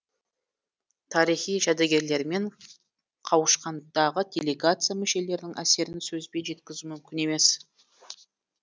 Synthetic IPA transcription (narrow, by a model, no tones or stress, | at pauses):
t̪ʰɑɾijχijʒæd̪eɡʲe̞ɾle̞ɾme̞ɴ | qʰɑwəʃqɑnd̪ɑʁəd̪ʲe̞lʲe̞ɡat̪sɨjamʏʃe̞le̞ɾɪd̪ɪŋʔæse̞ɾɪnsɵzbe̞ʒe̞t̪kʲɪzumʏmkʲɪne̞me̞s